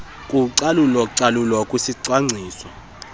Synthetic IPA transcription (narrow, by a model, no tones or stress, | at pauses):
kʼuǀalulɔǀalulwɔkʼwisiǀwaŋ͡ǀʱiːsɔ